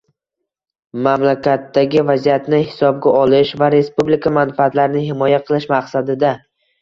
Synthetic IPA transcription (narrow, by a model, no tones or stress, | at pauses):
mamlakʲʰat̪ːaɡʲɪvazijat̪nɪhɪsɒb̚ɡʲaʔɒlɪʃvaɾe̞spublikʰamanfɪat̪laɾɪnɪɦɪmɒjaqʰɨlˠɪʃmaqsad̪ɪd̪a